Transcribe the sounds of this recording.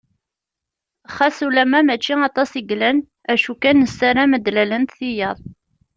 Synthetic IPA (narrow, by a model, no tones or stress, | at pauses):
χæsulæmæmæt͡ʃːiɑt̪ˤɑsiɡlæn | æʃukænːəsːæɾæməd̪lælənt̪θijəðˤ